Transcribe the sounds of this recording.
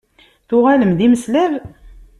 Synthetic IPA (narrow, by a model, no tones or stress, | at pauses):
θʊʁaləmd̪iməslæv